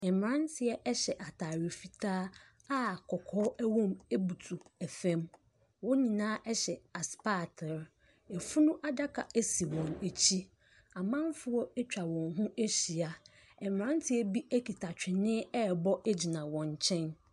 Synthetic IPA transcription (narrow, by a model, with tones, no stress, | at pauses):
ɛ˨m˨ɾã˦ntʰɪ˨ɛ˦ʔɛ˦ɕɛ˨ʔa˨tʰaː˨ɾɪ˨fi˨tʰaː˦ | a˦kʰɔ˨kʰɔː˦æ˦wɔ̃˦me˦bu˨tʰu˨ɛ˨fɛ̃˦m | wʊ̃˦ɲĩ˨nãː˦ʔɛ˦ɕɛ˨a˨spa˦˨tʰɪ˨ɾ | ɛ˨fu˦nũ˦ʔa˨da˦kʰa˨ʔæ˦si˨wɔ̃˨ne˨t͡ɕʰi˦ | a˨mã˦m˦fʊ˦wɔ˦ɛ˦t͡ɕᶣa˨wɔ̃˨nɦũ˦e˦ɕi˨a˦ | ɛ˨m˨ɾã˦n˦tʰɪ˦ɛ˦bi˦ʔæ˦kʰi˨tʰa˨t͡ɕᶣɪ˨nɪ̃˦ɛ˦˨bɔ˦ɛ˦d͡ʑi˨nã˨wɔ̃˨ɲ˨t͡ɕʰɛ̃˦n